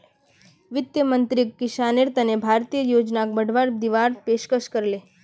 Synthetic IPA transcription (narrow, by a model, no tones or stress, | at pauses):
ʋɪt̪jəmənt̪ɾikːɪʃaneɾt̪ənebʱaɾt̪ijəjod͡ʒnak̚bəɽʋaɾd̪iʋaɾpeʃkəʃkəɾle